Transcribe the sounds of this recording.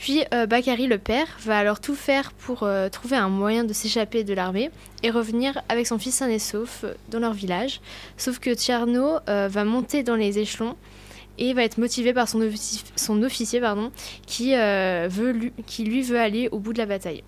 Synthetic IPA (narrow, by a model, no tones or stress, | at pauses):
pɥiøbakaʁiləpɛʁvaːlɔʁt̪ufɛʁpʰuʁøt̪χuveɛ̃mwajɛ̃d̪əseʃaped̪əlaʁme | eʁəvniʁavɛksɔ̃fisːɛ̃nesofd̪ɑ̃lœʁvilaʒsofkət̪jaʁnoøvamɔ̃t̪ed̪ɑ̃lezeʃlɔ̃ | evaɛt̪χəmɔt̪ivepaʁsɔ̃sɔ̃nɔfisjepaʁd̪ɔ̃kʲʰiøvøkʲʰilɥivøaleobud̪əlabat̪aj